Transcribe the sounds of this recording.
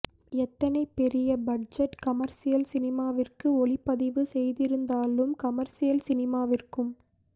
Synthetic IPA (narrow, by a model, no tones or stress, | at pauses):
ɛt̪ːɐnɐɪpːɛɾɪjɐbɐɖ̚d͡ʒɐʈkɐmɐɾsɪjɐlsɪnɪmaːʋɪrkɯɔɭɪpːɐðɪʋɯsɛjðɪɾɯnd̪aːlɯmkɐmɐɾsɪjɐlsɪnɪmaːʋɪrkɯm